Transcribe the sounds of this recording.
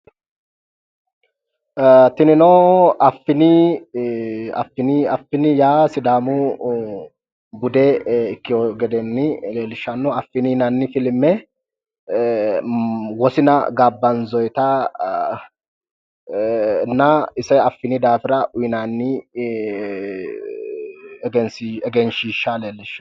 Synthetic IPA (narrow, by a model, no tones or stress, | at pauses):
t̪ɪnɪnɔɐfːɪnɪ | ɐ̰fːɪnɪɐfːɪnɪjaːsɪd̪aːmʊ | bʊd̪ɛɪkːɪɔɡɛd̪ɛnːɪleːlɪʃːɐnːɔɐfːɪninɐnːɪfɪlɪmːɛ | wɔsɪnɐ̰ɡaːbːɐnzɔjt̪ɐ | nɐɪsɛɐfːɪnɪd̪aːfɪɾɐʔʊɪnanːɪ | ɡɛnsɛɡɛnʃiːʃːaleːlːɪʃːɐ̥